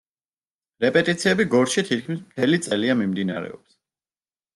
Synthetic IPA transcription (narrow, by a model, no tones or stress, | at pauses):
ɾɛpʼɛt̪ʼit̪sʰiɛbiɡɔɾʃit̪ʰit̪̚kʰmismt̪ʰɛlit̪sʼɛliamimd̪inaɾɛ̰ɔ̰ps